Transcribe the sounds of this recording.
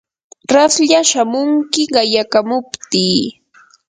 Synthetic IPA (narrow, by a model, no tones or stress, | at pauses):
ɾasʎaʃamʊŋkɪɢɑjakamʊpt̪iː